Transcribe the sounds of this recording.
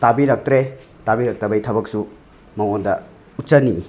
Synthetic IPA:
tabiɾɐk̚tɾe | tabiɾɐk̚tɐbɐjtʰɐbɐk̚su | mɐwondɐ̰ | utsɐnːini

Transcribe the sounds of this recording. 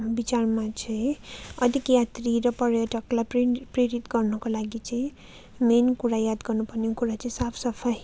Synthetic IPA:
bit͡sarmat͡sʌĩʌd̪ʱikjat̪ɾiɾʌpʌɾjʌʈʌklajppreɾit̪ɡʌrnʌkolaɡit͡sʌĩ | menkuɾajad̪ɡʌrnupʌneõkuɾat͡sʌĩsapʰsʌpʰaj

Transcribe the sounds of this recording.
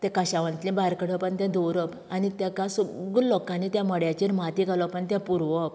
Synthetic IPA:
t̪ɛ̃kəɕaʋə̃nt̪lĩbaɾkəɽ̤əpəɳt̪ãd̪oɾəp | anit̪jãkasuɡuɾlɔkãnːit̪jãməɽjat͡ɕiɾmat̪ikalɔpəɳt̪jãpuɾʋəp̚

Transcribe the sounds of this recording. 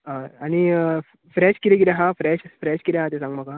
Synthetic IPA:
əañi | fɾɛɕkiɾekiɾɛɦãfɾɛɕfɾɛɕkiɾɛ̃ɦãt̪ẽsãŋɡməka

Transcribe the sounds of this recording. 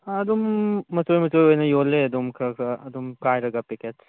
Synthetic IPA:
ɐdumːɐtojmɐtojojnɐjolːeɐd̪umkʰɐkʰɐɐdumkajɾɐɡapiket

